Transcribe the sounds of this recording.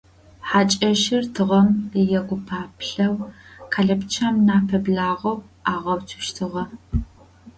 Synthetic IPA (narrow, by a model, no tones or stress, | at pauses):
ħaːt͡ʃʼɐʃɪrtʰɨʁɐmjɛɡʷʊpʰaːpʰɬɐwkʰaːɮɐpt͡ʃʰaːmnaːpʰɐbɮaːʁɐw | aːʁɐwtʰɨ̥ʃtʰɨʁɐ